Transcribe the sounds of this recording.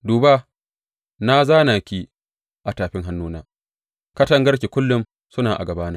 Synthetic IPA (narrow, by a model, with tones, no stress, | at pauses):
duː˨ba˦ | na˦zaː˦naː˨kʲiː˦ | ʔa˨taː˨ɸɪ˦ŋɦa˦nːuː˦naː˦ | kɐ˦tɐ˦ŋɡɐ˦ɽkʲi˨kʷʊ˦lːʊ˦m | sʊ˦naː˨ʔa̰˨ɡɐ˨baː˦na˦